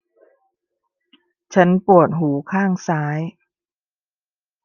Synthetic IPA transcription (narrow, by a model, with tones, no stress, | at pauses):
t͡ɕʰa˦˥npu˨˩ət̪̚ɦuː˩˦kʰaː˥˩ŋsaː˦˥j